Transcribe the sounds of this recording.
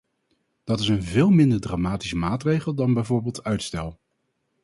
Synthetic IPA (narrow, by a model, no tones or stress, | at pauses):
d̥ɑtɪsənvɪːlˠmɪndəɹdraːmaːtisəmaːtrejχəlˠdɑnbɛjvoːɹbeːlˠtœɥtstɛlˠ